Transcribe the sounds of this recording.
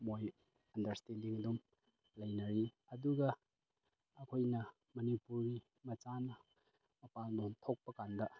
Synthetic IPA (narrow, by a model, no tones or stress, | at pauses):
moj | ɐndɐɾstendiŋɐdum | lɐjnɐɾi | ɐduɡɐː | kʰojnɐ | mɐnipuɾɡi | mɐt͡ʃanɐ | mɐpalnoŋtʰok̚pɐkandɐ